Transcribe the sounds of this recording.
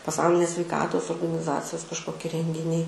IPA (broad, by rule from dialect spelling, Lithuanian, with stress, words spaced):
pɐˈsɐʊlʲɪnʲeːs sʲʋʲɛɪˈkɑːtoːs oːrɡɐnʲɪˈzɑːt͡sʲɪjoːs kɐʃˈkoːkʲɪ rʲɛŋʲɡʲɪˈnʲɛɪ